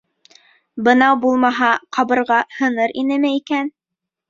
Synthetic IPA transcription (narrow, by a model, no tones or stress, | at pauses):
bɤ̆nɑwbulˠmɑɦɑqʰɑβɤ̆ɾʁɑhɤ̆nɤɾʔinɘ̆mɘikæn